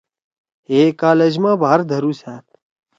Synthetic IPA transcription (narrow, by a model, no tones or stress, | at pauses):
eːkaːled͡ʒmãːbʱaːɾd̪ʱəɾũːsaːt̪̚